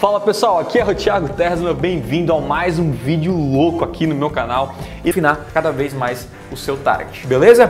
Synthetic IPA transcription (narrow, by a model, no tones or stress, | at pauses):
falɐpesuawakiɛot͡ʃiaɡʊt̪ɛɾznɐbẽj̃vĩnd̪ʊawmajzũvid͡ʒiʊlokʊakʰinʊmewkanaw | ɪfinaɾkad̪ɐvejzmajs | ʊsewt̪a̰ɾɡɛt͡ʃɪ̥belezɐ